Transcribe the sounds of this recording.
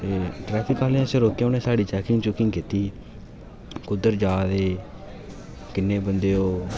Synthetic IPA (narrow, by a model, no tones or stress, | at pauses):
eːʈɾɛːpʰɪkaːleãseɾoːkːeoːnẽːsaːɖiːt͡ʃɛːkɪŋɡt͡ʃʊkɪŋɡkɪt̪iː | kʊd̪əɾd͡ʒaːd̪eː | kɪnːeːbənd̪eːoː